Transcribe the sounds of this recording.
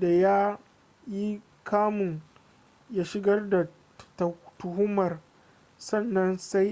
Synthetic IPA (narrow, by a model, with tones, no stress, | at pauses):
da˨jaː˦ | ji˦ | kʰaː˦mʊ˨ŋ | jaː˦ʃɪ˦ɡɐ˦rda˨ | ttʊ˨hʊ˦mɐ˨r | sɐ˦˨nːɐ˦nsa˦j